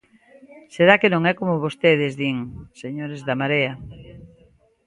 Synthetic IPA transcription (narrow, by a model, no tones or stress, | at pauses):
seɾakenõŋɛkomoβost̪eð̞ezðiŋseɲoɾezðamaɾea